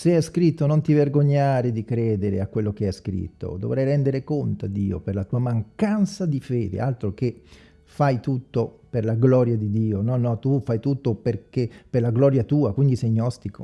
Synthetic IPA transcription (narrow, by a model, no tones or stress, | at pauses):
seɛskɾit̪ːonont̪iverɡoɲːaːɾed̪ikɾɛːd̪eɾḛakːwelːokeɛskɾḭt̪ːo̰d̪o̰vɾɛjɾɛnd̪eɾekont̪a̰d̪iːo̰perlat̪uːamaŋkant̪sad̪ifɛːd̪ḛʔalt̪ɾok̟e | fajt̪ut̪ːoperlaɡlɔɾjad̪id̪iːonɔnːɔt̪ufajt̪ut̪ːoperkepːerlaɡlɔɾjat̪uːakwind̪isɛjnɔst̪iko̰